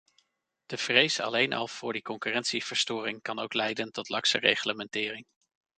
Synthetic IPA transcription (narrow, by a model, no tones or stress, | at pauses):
d̥əv̥rejsɑ̰lejnʔɑ̰lˠv̥ʊːɹdikɔŋkyːrɛntsiv̥əɹstʊːrɪŋkɑnowklɛjdəntɔtlɑksə̰rḛjχləmɛntɪːrɪŋ